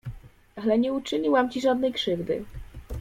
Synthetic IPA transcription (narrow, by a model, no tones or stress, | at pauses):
alɛɲɛut͡ʂɘɲiwamt͡ɕiʐad̪nɛjkʂɘvd̪ɘ̰